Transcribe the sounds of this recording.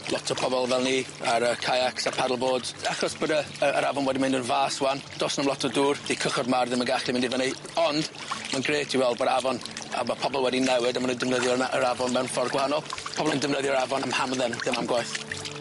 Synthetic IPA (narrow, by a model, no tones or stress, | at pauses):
lˠɔtʰɔpʰɔbɔlˠvɛlˠniaɾəkʰajaksapʰadəlˠboːdaχɔsb̥ədaəəɾavɔnwɛdimɪ̃ndənvaːswand̥oːsnamlˠɔtʰɔduːrdikʰəχɔdmarðɪmənɡaɬimɪndivənej | ɔnd | manɡreːtʰiwɛlˠdbodavɔna̰mapʰɔbɔlˠwɛdinɛwɨdamanəndɪvnəðjɔəɾavɔnmɛwnfɔrɡwahanɔlˠpʰɔbɔlˠəndɪvnəðjɔɾavɔnamhamðɛnðɪmamɡwajθ